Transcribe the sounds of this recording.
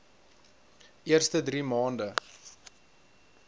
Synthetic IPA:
ʔiərstədɾiːmɑːndə

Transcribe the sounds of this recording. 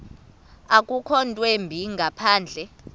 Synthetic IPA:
akʼukʰɔntʼwembʱiŋɡʱapʰaːnd͡ɮʱɛ

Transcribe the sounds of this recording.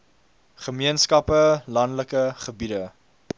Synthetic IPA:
χəmiənskɐpəlɐndləkəχəbidə

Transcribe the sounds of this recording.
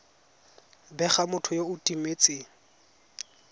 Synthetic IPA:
bɛχamʊtʰʊjoʊtʼimeːt͡sʼɪŋ̩

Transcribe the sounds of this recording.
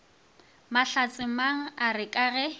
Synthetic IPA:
maɬat͡sʼɪmaŋ̩arɪkʼaɣɛ

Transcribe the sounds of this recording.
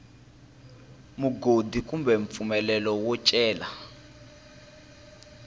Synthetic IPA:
muɡodikʼumbɛɱp̪fumɛlɛlɔwɔt͡ʃʼɛːla

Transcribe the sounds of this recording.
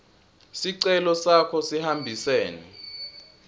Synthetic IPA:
siǀɛlɔsakʰɔsihambʱisɛːni

